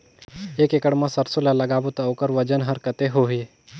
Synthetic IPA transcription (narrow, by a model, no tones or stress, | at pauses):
eːkekəɽmãsɐɾsulalɐɡaːʋət̪oːkəɾʋɐd͡ʒənɦɐɾkət̪eɦoɦi